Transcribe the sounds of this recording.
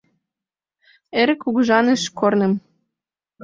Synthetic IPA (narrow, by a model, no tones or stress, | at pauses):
eɾɘ̆kuɣʒɑnĕʃkʰornə̆m